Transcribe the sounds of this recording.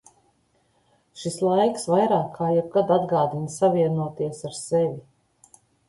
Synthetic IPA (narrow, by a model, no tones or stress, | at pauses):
ʃislˠajksvajɾaːkʰːaːjɛb̚ɡad̪ad̪ɡaːd̪insaviɛnuɔt̪iɛsaɾsɛvʲi